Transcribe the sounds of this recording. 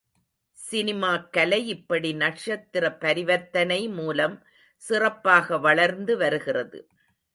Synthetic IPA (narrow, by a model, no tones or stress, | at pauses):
sɪnɪmaːkɐlɐɪɪpːɐɽinɐʈʂɐt̪ːɪrɐpɐɾɪʋɐt̪ːɐnɐɪmuːlɐm | sɪrɐpːaːɣɐʋɐɭɐɾnd̪ɯʋɐɾɯɣɪrɐðɯ̰